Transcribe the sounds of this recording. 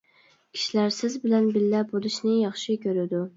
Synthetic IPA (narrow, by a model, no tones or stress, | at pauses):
kʲʰi̥ʃilæɾsɪzbɪlænbɪlːæp̚bolˠɨʃnɪjɑχʃɪkʲʰøɾɪd̪u